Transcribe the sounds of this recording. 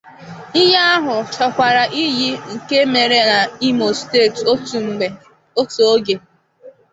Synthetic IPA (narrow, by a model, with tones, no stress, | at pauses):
i˦ja˦a˦ɦʊ˨t͡ʃɔ˨kʷa˨ɾa˨ʔi˦ji˦ŋ̩˨ke˦me˨ɾe˨˦na˨i˦mo˨ste˦˨t̩˦˨e˨ | o˦to˨o˦ɡe˨